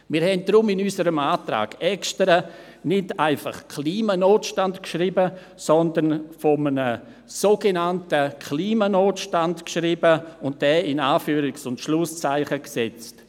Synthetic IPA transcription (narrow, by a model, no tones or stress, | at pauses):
mɪːɾhɛnt̚d̥ɾʊmɪnysəɾəmaːtɾa̰ːɡ̥ɛkʃtəɾə | nɪdaɪfa̰χkʰliːmanoːtʃtantkʃribə | sɔndənfɔmənə | soːɡenantəkʰliːmanoːtʃtantkʃribəʊnt̚d̥ɛːɪnaːfyːɾɪksʊntʃlʊst͡saɪχəksɛt͡st